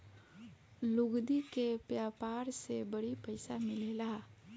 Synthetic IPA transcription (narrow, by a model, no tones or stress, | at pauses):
lʊɡd̪ikepjaːpaːɾsebəɽipəɪsamɪlelaː